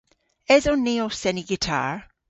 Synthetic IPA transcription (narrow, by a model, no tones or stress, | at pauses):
ɛzɔnːiosɛniɡɪtʰa̰ɹ